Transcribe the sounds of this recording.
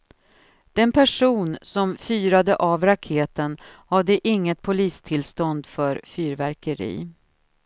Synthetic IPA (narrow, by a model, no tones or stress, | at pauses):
d̪̥ɛnpʰæʂuːnsɔmfyːɾad̪əʔavɾakʰeːt̪ənhad̪ːəʔɪŋːət̪̚pʰʊliːst̪ʰɪlst̪ɔnd̪fœɾfyːɾvæɾkəɾḭː